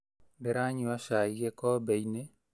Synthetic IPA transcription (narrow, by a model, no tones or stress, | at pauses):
beɾaɲiwaʃaiɣekɔbeine